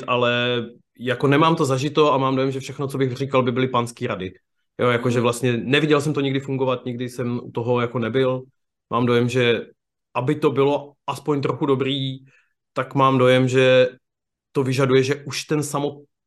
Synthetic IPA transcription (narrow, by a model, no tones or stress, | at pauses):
t̪ʔalɛ | jako̞nɛmaːmt̪o̞zaʒɪt̪o̞amaːmdojɛmʒɛfʃɛxnot͡sobɪɣr̝iːkalbɪbɪlɪpanskiːɾadɪ | jojako̞ʒɛvlast̪ɲɛnɛvɪɟɛls̬ɛmt̪o̞ɲɪɡdɪfuŋɡo̞vat̪ɲɪɡ̚dɪsɛmʔṵt̪o̞ɦo̞jako̞nɛbɪl | maːmdo̞jɛmʒɛ | ʔabɪt̪o̞bɪlo̞ʔaspoɲt̪ɾoxudo̞bɾiː | t̪akmaːmdo̞jɛmʒɛ | t̪o̞vɪʒadujɛʒɛʔuʃt̪ɛnsamot̪̚